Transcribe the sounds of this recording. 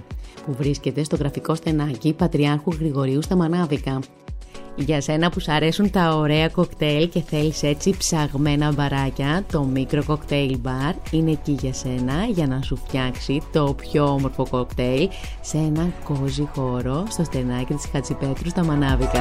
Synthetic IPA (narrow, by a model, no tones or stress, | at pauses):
puvɾisce̞t̪e̞st̪o̞ɣɾɐfiko̞sθe̞nɐcipɐt̪ɾiɐɾxuɣɾiɣo̞ɾiust̪ɐmɐnɐvikɐ | ʝɐse̞nɐpusɐɾe̞sunt̪ɐoɾe̞ɐko̞kt̪e̞lce̞θe̞lise̞t͡sipsɐɣme̞nɐbɐɾɐcɐt̪o̞mikɾo̞ko̞kt̪e̞ilbɐɾine̞ciʝɐse̞nɐʝɐnɐsufçɐksit̪o̞pço̞omo̞ɾfo̞ko̞kt̪e̞l | see̞nɐŋko̞zixo̞ɾo̞st̪o̞st̪e̞nɐcit̪iskɐt͡sipe̞t̪ɾust̪ɐmɐnɐvikɐ